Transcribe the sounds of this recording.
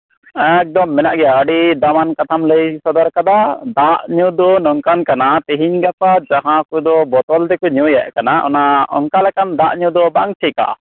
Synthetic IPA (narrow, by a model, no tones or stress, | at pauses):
ɛk̚d̪ɔmːɛnaʔɡɛjaəɖid̪amankat̪ʰamləjsɔd̪aɾkad̪ad̪aʔɲud̪ɔnɔŋkankanat̪eɦiɲɡapad͡ʒaɦãkud̪ɔbɔt̪ɔld̪ɛkɔɲɔjaʔkanaʔɔ̰naɔ̰ŋkalɛkand̪aʔɲũd̪ɔbaŋt͡ʃʰɛka̰